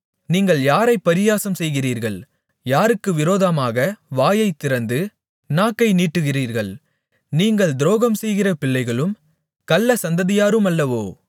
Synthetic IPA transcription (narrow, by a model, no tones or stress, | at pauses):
niːŋɡɐɭjaːɾɐɪpːɐɾɪjaːsɐmsɛjɣɪriːɾɣɐɭ | jaːɾɯkːɯʋɪɾoːðɐmaːɣɐʋaːjɐɪt̪ːɪɾɐnd̪ɯ | naːkːɐɪniːʈːɯɣɪriːɾɣɐɭ | niːŋɡɐɭd̪ɪɾoːɣɐmsɛjɣɪrɐpɪɭːɐɪɣɐɭɯm | kɐlːɐsɐnd̪ɐðɪjaːɾɯmɐlːɐʋoː